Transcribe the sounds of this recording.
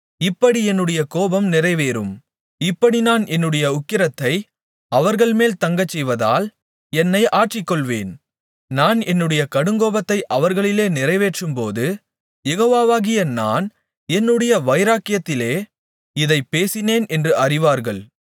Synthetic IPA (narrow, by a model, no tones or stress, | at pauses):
ɪpːɐɽiɛnːɯɽɐjɐkoːbɐmnɪrɐɪʋeːɾɯ̰m | ɪpːɐɽinaːnɛnːɯɽɐjɐʊkːɪɾɐt̪ːɐɪ | ɐʋɐɾɣɐɭmeːlt̪ɐŋɡɐt͡ʃːɛjʋɐðaːl | ɛnːɐɪʔaːʈrɪkːɔɭʋeːn | naːnɛnːɯɽɐjɐkɐɽɯŋɡoːbɐt̪ːɐɪʔɐʋɐɾɣɐɭɪleːnɪrɐɪʋeːʈrɯmpoːðɯ | jɛɣoːʋaːʋaːɣɪjɐna̰ːn | ɛnːɯɽɐjɐʋɐɪɾaːkɪjɐt̪ːɪleː | ɪðɐɪpːeːsɪneːnɛndrɯɐrɪʋaːɾɣɐɭ